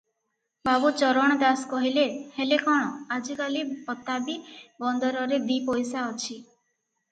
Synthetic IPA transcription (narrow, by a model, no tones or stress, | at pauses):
babut͡ʃɔɾɔɽ̃ɔd̪askɔɦilehelekɔɽ̃ɔad͡ʒikalipɔt̪abibɔnd̪ɔɾɔɾed̪ipɔjsaɔt͡ʃʰi